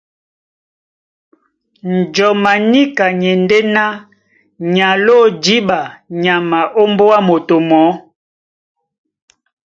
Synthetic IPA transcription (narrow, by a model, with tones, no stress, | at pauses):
n̩˨d͡ʒɔ˨ma˨ni˦ka˨ɲɛ˨nde˦na˦ | ɲa˨lo˦˨d͡ʒi˦ba˨ɲa˨ma˨ʔo˦mbo˦a˦mo˨to˨mɔ˨˦